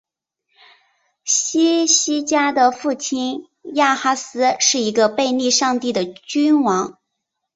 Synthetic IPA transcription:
ɕi˥ɕi˥t͡ɕja˥d̪ə˨fu˥˩t͡ɕʰi˥n | ja˥˩xa˥sɹ̩˥ʂɻ̩˥˩i˧˥ɡə˧pe˥˧ɪni˥˧ʂɑ˥˧ŋt̪i˥˩d̪ə˩t͡ɕy˥nwɑ˧˥ŋ

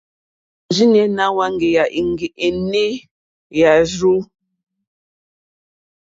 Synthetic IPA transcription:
d͡ʒi˦n˦ɛ˦na˦wa˦ŋ˦ɡe˨ja˨ʔi˨ŋ˦ɡe˨ʔe˨ne˦ | ja˨ʒu˦

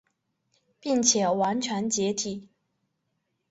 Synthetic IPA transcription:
pi˥˩ŋt͡ɕʰjɛ˨˩wa˧˥nt͡ɕʰɥɛ˧˥nt͡ɕjɛ˧˥t̪ʰi˨˩˦

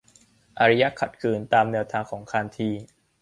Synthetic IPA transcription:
ʔa˧ɾa˦˥ja˦˥kʰa˨˩t̪̚kʰɯː˧nt̪aː˧mnɛː˧wt̪ʰaː˧ŋkʰɔː˩˦ŋkʰaː˧nt̪ʰiː˧

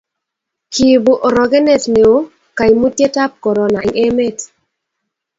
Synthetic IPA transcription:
ki˨bo˨ʔɔ˨ɾɔ˨ɡɛ˦ne˦˨tne˨o˦ | ka˨jmu˦tje˦ta˦p̚kɔ˨ɾɔ˨na˨ŋe˦me˦˨t

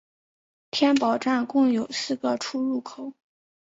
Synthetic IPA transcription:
t̪ʰjɛ˥npɑ˨˩ʊʈ͡ʂa˥˩nkʊ˥˩ŋjo˨˩ʊsɹ̩˥˩ɡə˩ʈ͡ʂʰu˥ɻu˥˩kʰo˨˩˦

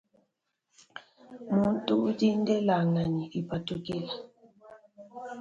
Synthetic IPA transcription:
mu˨˦n˦tu˦di˦n˦dɛ˦la˨ŋa˨ɲi˨ʔi˨pa˨tu˨ki˦la˨

